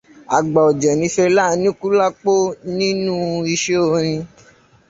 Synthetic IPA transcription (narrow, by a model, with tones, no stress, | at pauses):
a˨ɡ͡ba˨ɔ˨d͡ʒɛ˨nĩ˨˦fe˧la˦˨˧nĩ˦ku˦la˦k͡po˦nĩ˦nũ˦i˧ʃe˦o˦˧ɾ̃ĩ˧